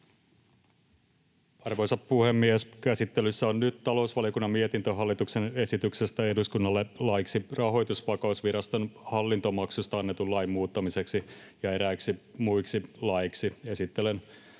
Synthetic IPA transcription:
ɑrʋo̞jsɑppuhemːieskæsit̪ːelysːæonnyt̪t̪ɑlo̞usʋɑlijokunːɑmiet̪int̪øɦɑlːit̪ukse̞ne̞sit̪yksest̪æe̞duskunːɑlːelɑjksirɑɦo̞jt̪usʋɑkɑusʋiɾɑst̪onhɑlːint̪o̞mɑksust̪ɑɑnːet̪ulɑjmːuːt̪ːɑmise̞ksi | jɑe̞ɾæiksimujksilɑjiksie̞sit̪ːelen

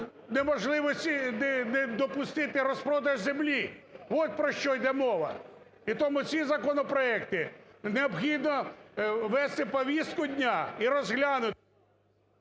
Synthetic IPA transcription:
nemɔʒlˠɪʋɔsʲtʲinɛnɛd̪ɔpʊst̪ɪt̪ɪɾɔspɾɔd̪ɐʒzemlʲiʋɔt̪̚pɾɔʃt͡ʃɔjd̪ɛmɔʋɐ̰ | it̪ɔmʊt͡sʲizɐkɔnɔpɾɔɛkt̪ɪneɔbxʲid̪nɔ | ʋɛst̪ɪpɔʋʲist̪̚kʊd̪ʲnʲaiɾɔzɦlʲanʊt

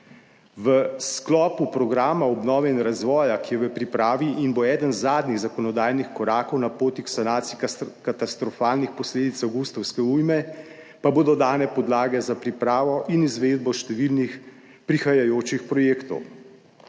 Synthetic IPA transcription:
ʋəsklɔːpupɾɔɡɾaːmaɔbnɔːʋɛinɾazʋɔːjakijɛʋəpɾipɾaːʋiʔinboɛːd̪ənzːaːd̪niɣzakɔnɔd̪aːjnixkɔɾaːkɔwnapoːt̪iksanaːt̪sikat̪ast̪ɾɔfaːlnixpɔsleːd̪it̪saɡust̪ɔwskɛujmɛ | paboːd̪ɔd̪aːnɛpɔd̪laːɡɛzapɾipɾaːʋɔʔinizʋeːd̪̚bɔʃt̪ɛʋilnix | pɾixajajoːt͡ʃixpɾɔjeːkt̪ɔ̰w

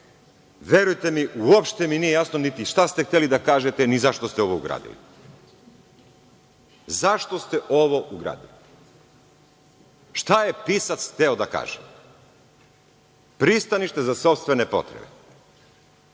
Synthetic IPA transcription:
ʋje̞ɾujt̪e̞miʔuopʃt̪eminijejasnonit̪iʃt̪ast̪e̞xt̪elid̪akaːʒet̪enizaʃt̪ost̪eo̞ʋouɡɾa̰ːd̪ḭlḭ | zaʃt̪o̞st̪eʔo̞ʋo̞ʔuɡɾa̰ːd̪ili | ʃt̪ajepiːsat̪sxt̪eod̪aka̰ːʒem | pɾist̪aniʃt̪e̞zaso̞pst̪ʋe̞ne̞po̞̰t̪ɾebḛ

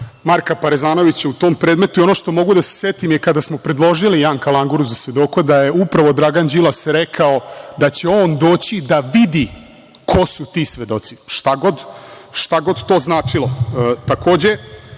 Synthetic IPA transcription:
maɾkapaɾezaːno̞ʋit͡ɕeut̪oːmpɾeːd̪me̞t̪ujo̞noʃt̪o̞mo̞ɡud̪ase̥set̪imjekad̪asmo̞pɾe̞d̪lˠo̞ʒilijaːŋkalaŋɡuɾuzasʋe̞d̪o̞kod̪aje̞upɾaʋo̞d̪ɾaɡand͡ʑilˠasɾekʰao̞d̪at͡ɕe̞oːnd̪o̞ːt͡ɕid̪aʋid̪i | kʰo̞sut̪iːsʋe̞d̪o̞t̪si̥ʃt̪aɡo̞d̪ʃt̪aɡo̞d̪t̪o̞ːznaːt͡ʂilˠat̪ako̞ːd͡ʑe

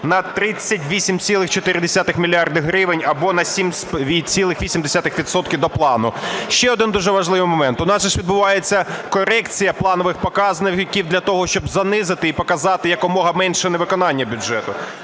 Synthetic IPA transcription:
nɐt̪ɾɪt͡sʲːɐtʲʋʲisʲimt͡sʲilˠɪxt͡ʃɔt̪ɪɾʲɪd̪esʲat̪ɪxmʲilʲiɑrd̪ɪɦɾɪʋɪnʲɐbɔnɐsʲimspʋʲit͡sʲilˠɪxʋʲisʲimd̪esʲat̪ɪxʋʲid̪sɔt̪̚kʲiwd̪ɔplˠɑnʊʃt͡ʃɛɔd̪ɪnd̪uʒɛʋɐʒlˠɪʋɪmɔmɛnt̪ʊnɑsʒɛʃʋʲid̪̚bʊʋɑjet͡sʲːɐkɔɾɛkt͡sʲijɐplˠɑnɔʋɪxpɔkɑznɪkʲiwd̪lʲɐt̪ɔɦɔʃt͡ʃɔbzɐnɪzɪt̪ɪipɔkɐzɑt̪ɪjɐkɔmɔɦɐmɛnʃɛnɛʋɪkɔnɑnʲːɐbʲʊdʒɛt̪ʊ

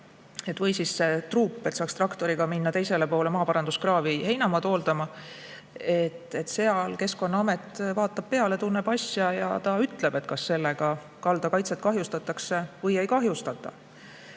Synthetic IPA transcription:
et̪ːˑvɯjsisːe̞t̪ruːpːˑe̞t̪ːsɑːkst̪rɑkt̪o̞ɾiɡ̥ɑminːɑt̪e̞jse̞le̞po̞ːle̞mɑːpɑɾɑnd̪̥uskrɑːvihe̞jnɑmɑt̪o̞ːld̪̥ɑmɑ | e̞t̪ˑːe̞t̪ːse̞ɑlke̞sko̞nːɑɑmet̪ːˑvɑːt̪ːˑɑb̥̚pe̞ɑle̞t̪unːe̞b̥ɑsʲjɑjɑ̰t̪ɑyt̪ˑle̞b̥e̞t̪kɑsːe̞lːe̞ɡ̥ɑ | kɑld̪̥ɑkɑjt̪set̪̚kɑɦjust̪ɑt̪ːˑɑkse̞vɤje̞jkɑɦjust̪ɑt̪ːˑɑ

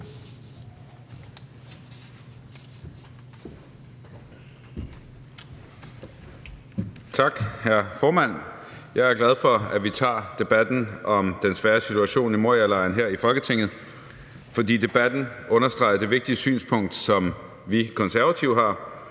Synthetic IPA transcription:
t͡sʰɑ̈ɡ̥hæɐfɒːmæn̰jɑ̈ɪæɐɡ̥læð̞ˠfɒ̽æʋit͡sʰɑ̰̈ːd̥e̝b̥æd̥n̩ʔɒ̽md̥ensʋæːɐsit͡sʰuæɕo̝̰ːnimoɐ̰jælɑ̈ɪnɦeɐ̰ifɒ̽lɡ̥ət͡sʰe̝ŋ̰ð̞̩ˠ | fɒ̽d̥ḭːd̥e̝b̥æd̥n̩ʔɔ̽nɐsd̥ʁɑ̈ɪɐd̥e̝ʋe̝ɡ̥̚d̥iəsy̰ːnspʰɔ̽ŋ̰d̥sɒ̽m | ʋikʰɒ̽nsæɐʋæt͡sʰiʊhɦɑ̈ː

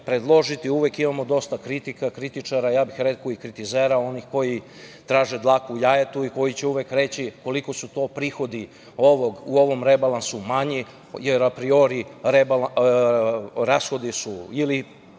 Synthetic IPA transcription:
pɾed̪lˠo̞ʒit̪iuʋekimamod̪o̞st̪akɾit̪ikakɾit̪it͡ʃaɾajaːbixɾekoikɾit̪izeɾao̞nixko̞ji | t̪ɾaːʒed̪lˠaːkujajet̪uiko̞jit͡ɕeuʋekɾe̞t͡ɕiko̞likosut̪o̞ːpɾixo̞d̪i | o̞ʋoɡuo̞ʋo̞mɾebalˠansumaɲi | jeɾapɾio̞ɾiɾeb | ɾasxo̞d̪isuili

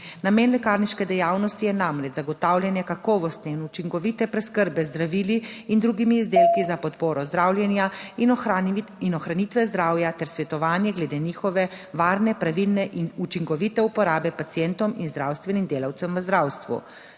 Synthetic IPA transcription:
nameːnlɛkaːɾniʃkɛd̪ɛjaːwnɔst̪ijɛnamɾɛt͡ʃzaɡɔt̪awljɛnjɛkakɔːʋɔst̪nɛinut͡ʃiŋkɔʋit̪ɛpɾɛskəɾbɛzd̪ɾaʋiliːnd̪ɾuɡimiːzd̪eːlkizapɔt̪poːɾɔzd̪ɾaːwlʲjɛnjai | inɔxɾanit̪ʋɛzd̪ɾaːwjat̪ɛɾsʋɛt̪ɔʋaːnjɛɡlɛd̪eːniːxɔʋɛʋaːɾnɛpɾaʋilnɛʔinut͡ʃiŋkɔʋit̪ɛupɔɾaːbɛpat̪sijɛnt̪ɔminzd̪ɾawst̪ʋɛnimd̪eːlawt̪sɛmʋəzd̪ɾaːwst̪ʋṵ

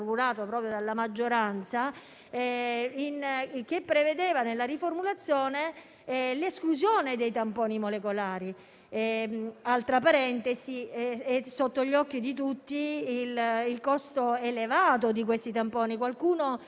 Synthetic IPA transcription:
rmulaːt̪opɾɔːpɾjod̪alːamad͡ʒːoɾant̪sa | ɛink̟epːɾeved̪eːvanelːaɾiformulat̪sːjoːne | leskluzjoːned̪ejt̪ampɔːnimolekolaːɾi | ɛalt̪ɾapaɾɛnt̪esiɛesot̪ːoʎːɔkːid̪it̪̬ut̪ːiililkɔst̪oelevaːt̪od̪ik̬west̪it̪ampɔːnikwalkuːno

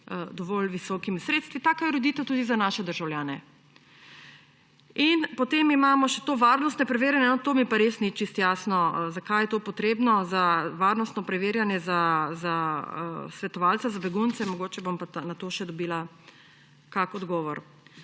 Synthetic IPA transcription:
d̪ɔʋɔlʋisɔkimisɾeːt̪st̪ʋit̪aːkajɛɾod̪it̪ɛt̪uːd̪izanaʃɛd̪əɾʒawljaːnɛ | inpɔt̪emimaːmɔʃɛt̪oːʋaːɾnɔst̪nɛpɾɛʋeːɾjanjɛnɔt̪oːmipaɾesnit͡ʃist̪jaːsnɔzakajɛt̪opɔt̪ɾeːbnɔzaʋaːɾnɔst̪nɔpɾɛʋeːɾjanjɛzaza | sʋɛt̪ɔʋalt̪sazabɛɡunt̪sɛmɔɡoːt͡ʃɛbompanat̪oʃɛd̪ɔbiːla | kakɔd̪ɡɔːʋɔɾ

